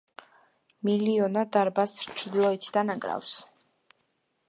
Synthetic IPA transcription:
miliɔnad̪aɾbasɾt͡ʃʰɾd̪lˠɔit̪ʰd̪anakʼɾa̰fs

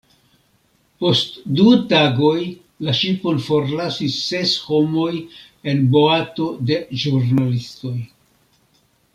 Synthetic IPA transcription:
po̞stdutaɡo̞j | laʃipo̞nfo̞ɾlasisːe̞sho̞mo̞j | e̞nbo̞ato̞de̞ʒuɾnalisto̞j

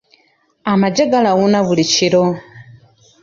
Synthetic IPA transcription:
amad͡ʒɛɡalawunaβulit͡ʃʰiɾɔ

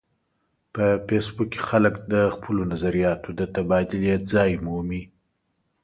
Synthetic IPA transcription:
pəfesbukːe̥xaləkd̪əxpʰəlonazaɾijɑt̪ʰod̪ət̪abɑd̪ɪljat̪zɑjmumi

